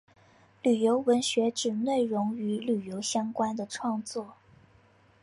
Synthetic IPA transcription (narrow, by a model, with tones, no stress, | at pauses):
ly˨˩jo˧˥ʊwə˧˥nɕɥɛ˧˥ʈ͡ʂɻ̩˨˩ne˥˩ɪɻʊ˧˥ŋy˧˥ly˨˩jo˧˥ʊɕjɑ˥ŋkwa˥nd̪ə˨ʈ͡ʂʰwɑ˥˧ŋt͡swɔ˥˩